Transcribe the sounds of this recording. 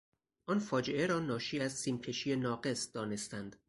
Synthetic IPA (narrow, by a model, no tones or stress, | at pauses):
ʔɒnfɒːd͡ʒeʔeɾɒːnɒːʃiːæzsiːmcʲʰe̞ʃiːjenɒːɡe̞sd̪ɒːne̞st̪ænd̪̥